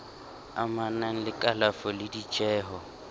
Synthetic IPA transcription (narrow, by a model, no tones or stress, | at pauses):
amanaŋ̩lɪkʼalafɔlɪdit͡ʃʼɛːɦɔ